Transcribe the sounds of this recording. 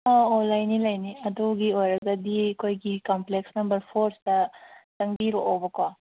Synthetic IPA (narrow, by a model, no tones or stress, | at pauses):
aolajnilajniɐdɔɡiojɾɐɡɐdikʰojɡikɐmpleksnɐmbɐɾpʰoɾstɐtɐŋbiɾɔʔɔbɐkwa